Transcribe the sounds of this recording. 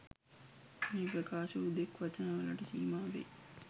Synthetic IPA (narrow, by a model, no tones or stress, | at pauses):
meːpɾɐkaːʃɐud̪ekʋɐt͡ʃɐnaʋalaʈəsiːmaːʋḛ